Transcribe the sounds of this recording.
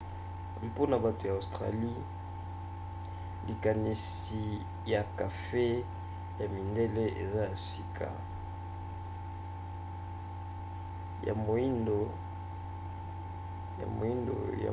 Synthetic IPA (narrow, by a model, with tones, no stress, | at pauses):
po˦na˨ba˨to˨ja˨o˨stʁa̰˨li˦ | li˨ka˨ni˨s | i˨ | ja˨ka˨fe˦ | ja˨mi˨nde˦le˦ʔḛ˨za˦ja˨si˨kʰa̰˨ | ja̰˨mo˨i˦ndo˨ | ja̰˨mo̰˨i˦ndo̰˨ja̰˨